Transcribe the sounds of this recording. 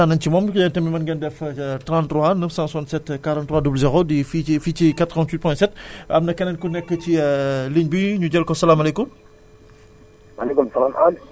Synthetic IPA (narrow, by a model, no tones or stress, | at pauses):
anɐncimɔmkjɐntɐmimɐnɡɐndɛftɾãntɾwanəfsãsantsɛtkaɾɔ̃ntːɾwadubləzɛʁodififiːt͡ʃikat̪ɾɔntwit̚pɔ̃jsɛtɐmnɐkɛnɐnkunɛkːəciəliɲbiɲuɟɛlkɔsɐlamɐlɛkum | walekumsɐlamal